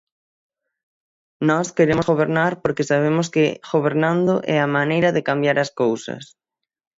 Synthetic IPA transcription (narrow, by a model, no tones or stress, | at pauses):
nɔskeɾemʊzɣoβ̞eɾnaɾpoɾkɪsaβ̞emʊskɪɣoβeɾnand̪oʔɛamanejɾɐðɪkambjaɾɐskowsɐ̰s